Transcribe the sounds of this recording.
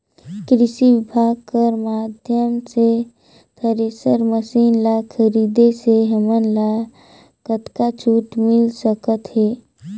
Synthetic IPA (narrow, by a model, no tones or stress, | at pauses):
kɾɪʃiʋɪbʱaːɡ̚kəɾmaːd̪ʱjəmse | t̪ʰəɾeːsəɾməsiːnlakʰəɾiːd̪eseɦəmənla | kət̪kat͡ʃʰuːʈmɪlsəkət̪ɦɛː